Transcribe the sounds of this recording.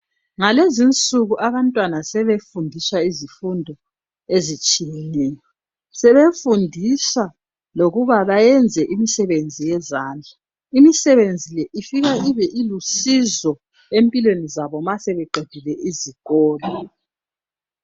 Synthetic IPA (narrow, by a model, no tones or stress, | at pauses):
ŋalezint͡sʼuɣuʔaβantʼwanasɛβefundʱiswaizifundʱɔ | ezit͡ʃʼijɛnɛːjɔ | sɛβefundʱisa | loɣuβaβajɛnd͡zʱɛʔimisɛβend͡zʱijɛzaːnd͡ɮʱa | imisɛβend͡zʱilɛʔifiɣaiβɛʔilusizɔ | empʼilwenizaβɔmasɛβɛɡ͡ǃʱed̥ʱilɛiziɣɔːlɔ